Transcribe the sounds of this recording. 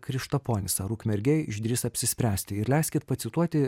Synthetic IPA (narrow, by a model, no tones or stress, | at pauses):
kɾʲɪʃt̪ɐpoːnʲɪsɐɾuːkmʲɛɾʲɡʲɛjɪʒʲd̪ʲɾʲɪsɐpʲsʲɪsʲpʲɾʲæːsʲt̪ʲɪɪɾlʲɛɪsʲkʲɪt̪pɐt̪sʲɪt̪uɔt̪ʲɪ